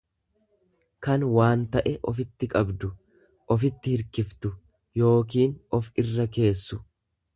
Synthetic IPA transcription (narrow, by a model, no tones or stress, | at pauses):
kɐnwaːnt̪ɐʔɛʔɔfɪt̪ːɪkʼɐbd̪ʊ | ʔɔfɪt̪ːɪhɪɾkɪft̪ʊ | jo̞ːk̬iːnɔfɪrːɐke̞ːsːʊ